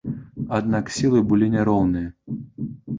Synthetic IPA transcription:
ad̪naksʲilˠɨbɨlʲinʲaɾɔwnɨjɐ

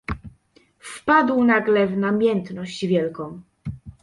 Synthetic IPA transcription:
fpad̪wnaɡlɛvnamʲjɛnt̪nɔɕd͡ʑvʲjɛlkɔ̃w̃

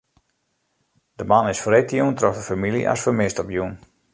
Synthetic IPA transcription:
dəmanɪsfretjuntrɔxdəfamilḭʔa̰sfəmɪstɔpjun

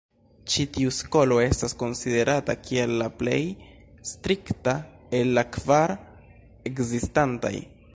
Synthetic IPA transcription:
t͡ʃitiusko̞lo̞e̞stasko̞nside̞ɾatakʰie̞lːaple̞̰j | stɾikta | e̞lːakvaɾ | e̞kzistanta̰j

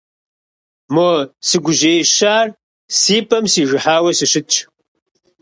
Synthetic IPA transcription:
moːsɨɡʷʊʑeːʃaːr | siːpʰʼɐmsiːʐɨħaːwɐsɨɕɨt͡ʃʰʼ

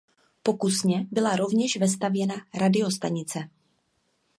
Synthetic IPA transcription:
po̞kusɲɛbɪlaɾo̞vɲɛʃvɪs̬t̪avjɛnaɾadɪo̞st̪aɲɪt͡sɛ

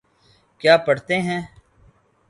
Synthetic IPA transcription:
kjaːpəɽt̪eɦɛ̃ː

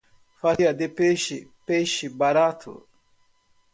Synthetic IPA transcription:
faijad̪epeːʃipeːʃibaɾaːt̪ʰṵ

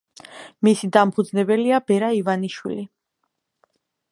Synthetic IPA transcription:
misid̪ampʰud̪znɛbɛliabɛɾaivaniʃwḭli

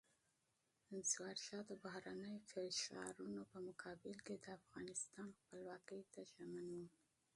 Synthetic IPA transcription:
ɪnswɑɾʃɑd̪əbahɾanəjofɪʃɑ̰ɾunopəmʊkʰɑbɪlked̪əafɣɑnɪst̪ɑnxpəlwɑkəjt̪aʒamanwu

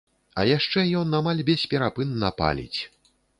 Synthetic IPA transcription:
ɐjaʂt͡ʂɛjɔnamalʲbʲɛsʲpʲɛɾapɨnːɐpa̰lʲḭt͡sʲ

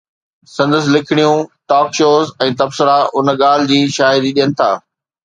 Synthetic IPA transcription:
sɐ̃nd̪əs̬ɪ̆lɪkʰɪɽ̃ijũʈɔːkʃoːzɛ̃ːt̪ɐbsɪɾaʔʊn̆ɠaːl̤ɪ̆d͡ʑiːʃaːɦɪd̪iɗijənɪ̆t̪ʰa̰ː

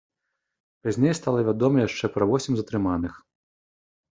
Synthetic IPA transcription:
pazʲnʲejst̪alˠɐvʲad̪ɔmɐjaʂt͡ʂɛpɾɐvɔsʲimʲzɐt̪ɾɨmanɨx

